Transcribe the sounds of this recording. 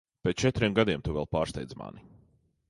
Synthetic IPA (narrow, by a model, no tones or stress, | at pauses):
pet͡ʃɛt̪ɾiɛmɡad̪iɛmt̪uvɛ̰lˠpaːɾst̪ɛ̰jd̪zma̰ni